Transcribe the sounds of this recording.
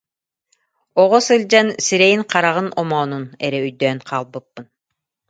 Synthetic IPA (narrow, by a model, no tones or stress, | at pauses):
ɔʁɔsɯlʲd͡ʑansiɾɛjiŋqɑɾaʁɯnɔmɔːnunɛɾɛyjd̪øːnqʰaːlˠbɯpːɯn